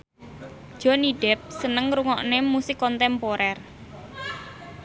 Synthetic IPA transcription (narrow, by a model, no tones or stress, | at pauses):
ʒ̥ɔ̤niɖ̥ɛp̚sənəŋɾuŋɔʔnemusɪkːɔnt̪ɛmpoɾɛr